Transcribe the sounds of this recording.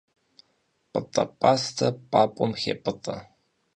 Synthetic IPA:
pʼɨtʼɐ̰pʼaːstʰɐpʼaːpʷʼɔmxḛːpʼɨtʼɐ

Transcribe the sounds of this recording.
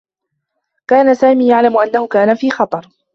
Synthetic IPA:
kaːnasaːmiːjaʕlamʊʔanːahʊkaːnafiːxɑt̪ˤɑɾˤ

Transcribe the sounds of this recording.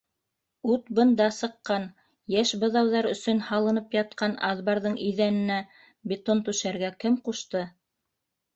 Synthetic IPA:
ʉt̪bɤ̆nd̪ɑsɤ̆qːɑn | jæʃbɤ̆ðɑwðɑɾɵ̆sɵnhɑlˠɤ̆nɤpjɑt̪̚qɑnɑðbɑɾðɤɴiðænɘ̆næ | bʲet̪ont̪ʉʃæɾɡækɘmquʃt̪ɤ

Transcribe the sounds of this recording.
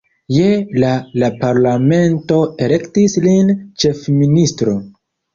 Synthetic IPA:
jelalapaɾlame̞nto̞ele̞ktislint͡ʃe̞fministɾo̞

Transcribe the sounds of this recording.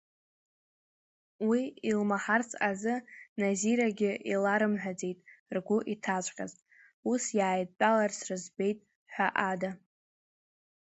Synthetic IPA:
wiilmaħart͡sʰʼazɨnaziɾaɡʲɪʔilaɾɨmħʷᶣad͡ze̞jtʼrɡʷʊʔitʰat͡ʃʷʼqʲʼa̰ztʼ | usjaːjdt͡pʼalarsrɨzbe̞jtʼ | ħʷᶣaʔada

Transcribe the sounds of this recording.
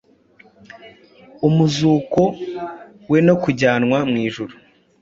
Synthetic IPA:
umuzuːko̞ | we̞no̞kuɟaːnŋwamŋiːʒuɾu

